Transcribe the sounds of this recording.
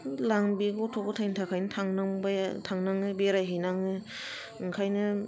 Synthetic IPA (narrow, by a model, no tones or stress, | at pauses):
laŋbiɡotʰɔkotʰajntʰakʰajnɯtʰaŋnaŋbatʰaŋnaŋɯbeɾajɦɯjnaŋɯ | ɯŋkʰajnɯ